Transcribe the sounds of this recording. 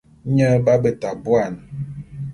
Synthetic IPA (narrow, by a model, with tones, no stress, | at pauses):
ɲə˦ba˦bə˨ta˨bwa˦˨n